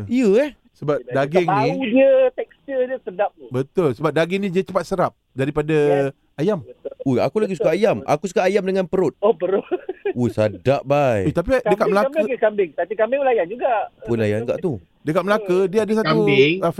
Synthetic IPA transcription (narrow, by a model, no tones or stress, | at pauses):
iəɛh | səbap̚daɡɛŋnĩudiət̪ɛkstədiəsədap̚bət̪ʊlsəbap̚daɡɛŋnĩdiət͡ʃəpat̪̚səɾap̚daɾipada | ajamua̰kulaɡisukaʔajama̰kus̬ukaʔajamdəŋãnpəɾʊt̪̚opəɾʊusadaʔbajet̪ap̬idəkat̪̚məlakəkambɪŋt̪at͡ʃikambɪŋwlajand͡ʒuɡaʔpʊnajanɡa̰ʔt̪u | dəkat̪̚məlakədiəadasat̪u